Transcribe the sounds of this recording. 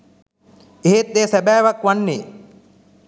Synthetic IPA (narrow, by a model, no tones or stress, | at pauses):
eɦet̪̚d̪eːsæbæːʋakʋanːeː